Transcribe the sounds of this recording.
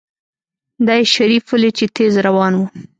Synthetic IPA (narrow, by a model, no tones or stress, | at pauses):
d̪ɑjeʃaɾifʊlet͡ʃet̪ʰezɾawɑnwu